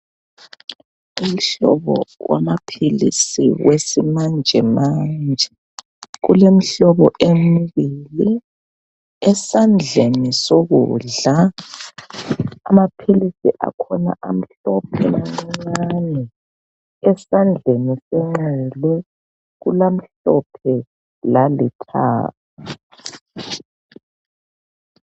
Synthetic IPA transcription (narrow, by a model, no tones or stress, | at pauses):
um̩ɬɔβɔ̰wa̰mapʰilḭsḭwesimand͡ʒʱɛmand͡ʒʱɛ | ɣṵlem̩ɬɔβɔʔemiβili | ɛsand͡ɮʱenisoɣuːɮa | amapʰilisiʔa̰kʰɔna̰ʔam̩ɬɔpʰɛlaŋ͡ǀŋ͡ǀanɛ | ɛsand͡ɮʱenisɛŋ͡ǁɛlɛ | ɣulam̩ɬɔpʰɛ | lalitʰa̰ːtʰu